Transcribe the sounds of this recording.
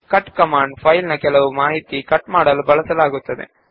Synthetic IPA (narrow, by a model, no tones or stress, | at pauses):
kɐʈkɐmaːɳɖpʰɐjlnɐkɛlɐʋumaːɦit̪ikɐʈːmaːɽɐlubɐɭɐsɐlaːɡut̪ːɐd̪ḛ